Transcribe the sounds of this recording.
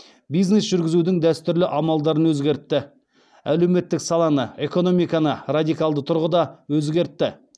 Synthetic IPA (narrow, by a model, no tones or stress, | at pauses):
bijznesʒʏɾɡʲɪzud̪ɪŋd̪æst̪ʏɾlɪʔɑmɑlˠd̪ɑɾənwɵzɡʲe̞ɾt̪ːɪ | æle̞wme̞t̪ːɪksɑlˠɑnəe̞ko̞no̞mijkɑnərad̪ijkɑlˠd̪ət̪ʰʊɾʁəd̪ɑwɵzɡʲe̞ɾt̪ːɪ